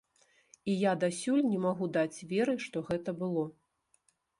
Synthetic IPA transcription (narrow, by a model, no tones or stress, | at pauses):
ijad̪asʲulʲnʲɛmaɣud̪at͡sʲvʲɛɾɨʂt̪ɔɣɛt̪ɐbɨlˠɔ